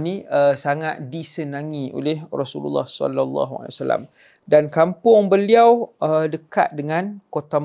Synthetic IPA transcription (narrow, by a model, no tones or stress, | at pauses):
nĩəsaŋat̪̚disənaŋĩʔo̰lehrɔsulṵlːɑ̰hsɔ̰lalːɑ̰ɦua̰lḛwasala̰m | dankampʊŋbəliawədəka̰t̪̚dəŋãnkot̪a